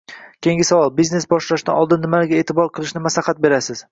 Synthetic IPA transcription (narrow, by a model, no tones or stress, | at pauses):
kʲʰe̞ŋɡʲɪsavɒlˠbiznesbɒʃlaʃd̪a̰nɒlˠd̪ɪnːɪmalɪɡʲae̞ːt̪ʰɪbɒɾqʰɨlˠɪʃnɪmaslɑhat̪̚be̞ɾasɪz̥